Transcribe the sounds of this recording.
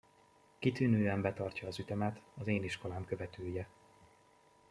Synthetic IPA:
kit̪yːnøːɛmbɛt̪ɒrcɒːzyt̪ɛmɛt̪ɒzeːniʃko̞laːmkø̞vɛt̪ʰøːjɛ

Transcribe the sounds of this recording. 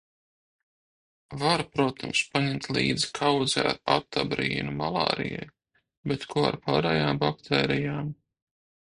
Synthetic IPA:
vaɾpɾuɔt̪ʰamspaɲɛmt̪ʲlˠḭːd̪zi̥kʰawd̪za̰ɾat̪ːabɾiːnumalˠɑ̰ːɾḭjɛ̰j | bet̪kʰuɔa̰ɾpaːɾɛjaːmbakt̪ʰeːɾijaːm

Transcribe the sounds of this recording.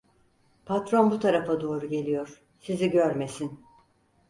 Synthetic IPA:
pʰat̪ɾo̞nbut̪ʰaɾafad̪o̞ːɾuɟe̞lʲijoɾ̥ | siziɟøɾme̞sin

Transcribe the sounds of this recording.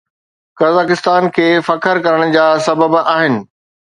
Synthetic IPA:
kɐzaːkɪst̪aːnkʰeːfɐkʰəɾkɐɾəɽ̃d͡ʑaːsɐbəbaːɦɪnɪ̆

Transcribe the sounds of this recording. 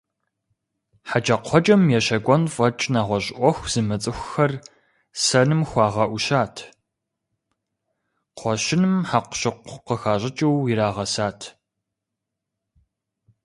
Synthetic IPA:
ħat͡ʃʼɐqʷʰɔt͡ʃʼɐmjɛɕɐɡʷʼɔnfʼɐt͡ʃʼnaːʁʷɔɕʼʔʷɔxʷz̥ɨmɨt͡sʼɨxʷxɐr | sɐnɨmxʷɑːʁɐʔʷʊɕaːtʰ | qʷʰɔɕɪnɨmħaqʷɕɪqʷqəxaːɕʼɪt͡ʃʼɐwwiɾaːʁɐsaːtʰ

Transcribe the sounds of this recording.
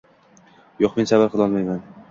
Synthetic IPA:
joqme̞nsabaɾqʰɨlˠɒlˠmajman

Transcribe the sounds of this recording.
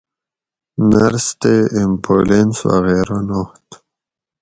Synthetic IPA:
naɾst̪eɪmpʰolenswa̰ɣeɾanoht̪

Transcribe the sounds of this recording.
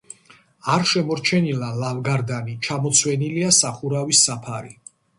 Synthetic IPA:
aɾʃɛmɔɾt͡ʃʰɛnilalavɡaɾd̪anit͡ʃʰamɔt̪sʰwɛniliasaχuɾavisːapʰaɾi

